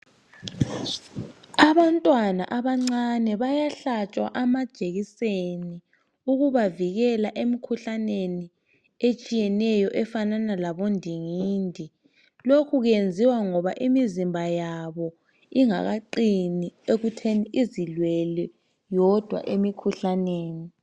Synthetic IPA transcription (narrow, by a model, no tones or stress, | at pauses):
aβantʼwana̰ʔaβaŋ͡ǀanɛβajaɬat͡ʃʼwa̰ʔamḁʒ̥ʱeɣiseni | uɣuβaviɣɛlaʔemikʰuɬaneni | et͡ʃʼijɛnɛjɔʔɛfananalaβondʱiŋiːndʱi | lokʰuɣjend͡zʱiwaŋɔβaʔimizimbʱajaβɔ | iŋa̰ɣaǃinieɣutʰeniʔizilwɛlɛ | jɔd̥ʱwa̰ʔemikʰuɬaneːni